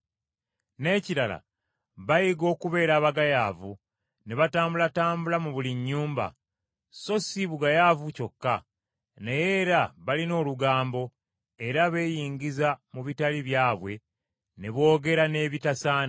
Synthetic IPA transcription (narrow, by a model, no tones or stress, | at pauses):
ne̞ːciɾala̰ | βajiɡo̞ːkuβe̞ːɾaːβaɡajaːvu | ne̞βataːmbulataːmbulamuβuliɲːuːmba̰ | so̞siβuɡajaːvuco̞kːa | nejeːɾaβalino̞ːluɡaːmbo̞ | e̞ɾaβe̞ːjiːɲɟizamuβitaliβjaːβwe̞ | ne̞βo̞ːɡe̞ɾane̞ːβitasaːna